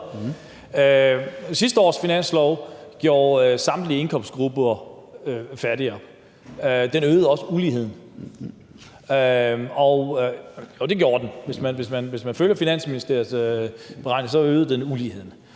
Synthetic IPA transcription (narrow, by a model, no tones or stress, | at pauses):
øsisd̥əɒ̰ːsfinæn̰slɒʊɡ̥jo̝ːɐsɑ̈md̥liəe̝nkʰɒ̽m̰sɡ̥ʁub̥ | fæɐɾiɒb̥ | ød̥enøːð̞̩ˠɒ̽səuliːhe̝ð̞̰ˠn̩ | øɒ̽ʊjod̥e̝ɡ̥jo̝̰ːɐd̥enʋe̝smænʋe̝smænʋe̝smænføljɐfinæn̰sminisd̥e̝ɐb̥e̝ʁɑ̈ɪ̰nsɒ̽øːð̩ˠd̥enuliːhe̝ð̰ˠn̩